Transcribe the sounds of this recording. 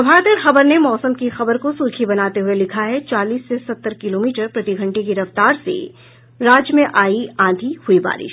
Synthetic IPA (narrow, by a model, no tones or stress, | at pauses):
ɐbʱaːt̪əɾxɐbəɾnemɔːsəmkixɐbəɾkosuːɾkʰibɐnaːt̪eɦuelɪkʰaɦɛt͡ʃaːliːsːesɐt̪ːəɾkɪloːmiːʈəɾpɾɐt̪iɡʱɐ̃ɳʈekiɾɐft̪aːɾsḛ | ɾaːd͡ʒmẽʔaːiãːd̪ʱihʊiba̰ːɾɪ̰ʃ